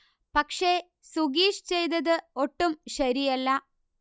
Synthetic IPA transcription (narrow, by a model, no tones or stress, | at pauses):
pɐkʂe̞ | suɡiːʂt͡ɕejt̪ɐðɨo̞ʈːumɕɐɾijɐlːɐ